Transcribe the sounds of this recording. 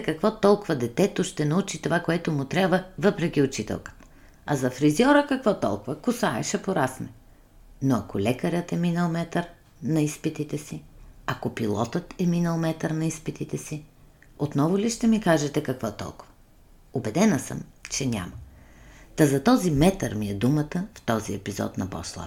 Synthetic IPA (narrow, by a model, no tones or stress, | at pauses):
kɐkvɔt̪ɔlˠkʊvɐd̪ɛt̪ɛt̪oʃt̪ɛnɐut͡ʃit̪ovakoɛt̪ʊmʊt̪ɾʲabvəvɤpɾɛk̟ʲiʊt͡ʃit̪ɛ̰lˠkə̥t̪ə̥ | ɐ̰zɐfɾiziɔɾəkɐkvɔt̪ɔ̰lˠkʊvəkʊsaɛ̰ʃɐpoɾasmɛ | noɐkolɛkəɾʲət̪ɛminəlˠmɛt̪əɾ | nɐispit̪it̪ɛsiɐkopilˠɔt̪ət̪ɛminəlˠmɛt̪əɾnɐispit̪it̪ɛsi | ot̪nɔvʊliʃt̪ɛmikaʒɛt̪ɛkɐkvɔt̪ɔ̰lˠkʊvə | obɛd̪ɛnəsə̰mt͡ʃɛnʲa̰mɐ | t̪ɐzɐt̪ɔzimɛt̪əɾmiɛd̪umət̪əft̪ɔziɛ̰pizɔ̰t̪nɐpɔ̰slˠə̰